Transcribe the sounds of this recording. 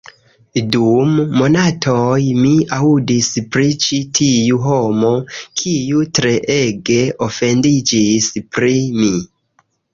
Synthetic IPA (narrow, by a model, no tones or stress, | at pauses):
dumːo̞natʰojmiaudispɾit͡ʃitʰijuɦo̞mo̞kʰijutɾe̞ʔeɡe̞ofe̞ndid͡ʒispɾimi